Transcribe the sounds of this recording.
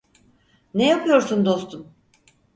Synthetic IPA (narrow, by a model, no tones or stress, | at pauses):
nejapʰɯjo̞ɾsund̪o̞st̪ʰum